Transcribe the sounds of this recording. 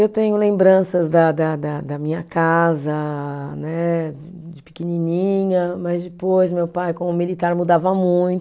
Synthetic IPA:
ewt̪ẽɲʊlẽmbɾɐ̃sɐzd̪ɐd̪ɐd̪ɐd̪ɐmĩɲɐkazɐnɛ | d͡ʒɪpi̥kininĩɲɐmɐzd͡ʒɪpojsmewpajkõʊmilit̪aɾmud̪avɐmũj̃t̪

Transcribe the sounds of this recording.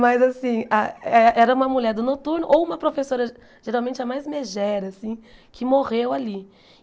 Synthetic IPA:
mɐzasĩaɛʔɛɾɐũmɐmuʎɛɾd̪ʊnot̪uɾnʊʔowũmɐpɾofesoɾɐ | ʒ̥eɾawmẽnt͡ʃɪɐmajzmeʒɛɾɐsĩkʰɪmoʁewali

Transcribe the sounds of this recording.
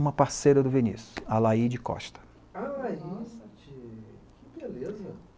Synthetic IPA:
ũmɐpaɾsejɾɐd̪ʊvenḭsʊalaid͡ʒɪkɔ̰ʃt̪ɐ̥ | aisɐt͡ʃikɪbelezɐ

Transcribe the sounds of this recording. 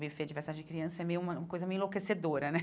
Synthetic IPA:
beveɐd͡ʒiveɾd̪ad͡ʒɪd͡ʒɪkɾiɐ̃sɐɛmejʊũmɐũmɐkojzɐmejũĩlokesed̪oɾɐnɛ

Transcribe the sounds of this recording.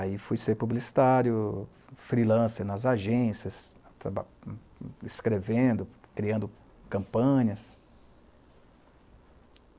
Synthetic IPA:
aifujseɾpublisi̥t̪aɾjʊ | fɾilɐ̃sɪnɐzaʒẽsjɐs | t̪ɾaba | ɪskɾevẽd̪ʊkɾiɐ̃nd̪ʊ | kɐ̃mpɐ̃ɲɐs

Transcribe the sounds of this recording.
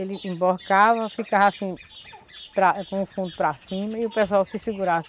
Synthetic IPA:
elɪʔĩboɾkavɐfikavasĩ | pɾakõʊfũnd̪ʊpɾasĩmɐiʊpesuawsɪsiɡuɾavɐ

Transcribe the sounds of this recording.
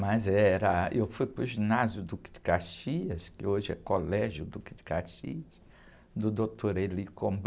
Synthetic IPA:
mɐzɛɛɾɐewfujpɾʊʒinazjʊd̪ukɪd͡ʒɪ̥kaɾʃiɐskɪoʒɪɛ̰kolɛʒjʊd̪ukɪd͡ʒɪ̥kaɾʃḭɐs | d̪ʊd̪ot̪ʰoɾelikõb

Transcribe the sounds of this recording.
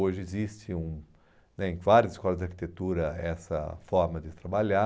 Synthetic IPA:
oʒɪezist͡ʃɪũ | nɛẽvaɾʲjɐzɪskɔlɐzd͡ʒ̪ɪaɾki̥t̪et̪uɾɐɛsɐ̰fɔɾmɐd͡ʒɪt̪ɾabaʎa

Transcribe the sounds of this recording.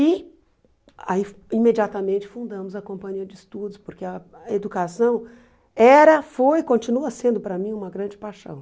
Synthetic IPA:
ɪ | a̰ifĩmed͡ʒiat̪ɐmẽnt͡ʃɪ̥fũnd̪ɐ̃mʊzɐkõmpɐ̃ɲiɐd͡ʒɪɪst̪ud̪ʊspoɾkeɐed̪ukasɐ̃w̃ | ɛɾɐfojkõnt͡ʃinuɐsẽnd̪ʊpɾɐmĩũmɐɡɾɐ̃nd͡ʒɪpajʃɐ̰̃w̃

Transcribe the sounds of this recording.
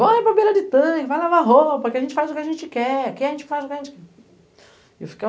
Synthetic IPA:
võĩpɾɐbelɐd͡ʒɪt̪ɐ̃kɪvajlavaɦopɐkɪɐʒẽnt͡ʃɪfazʊkɪaʒẽt͡ʃɪkɛkẽɐʒẽnt͡ʃɪ̥fajzʊkɪɐʒẽnt͡ʃɪkɛ | efi̥ke

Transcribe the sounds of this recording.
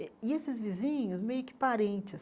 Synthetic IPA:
ɪesɪzvizĩɲʊsmejʊkɪ̥paɾẽnt͡ʃɪs

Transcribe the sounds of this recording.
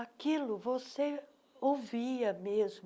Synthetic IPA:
akilʊvose | owviɐmezm

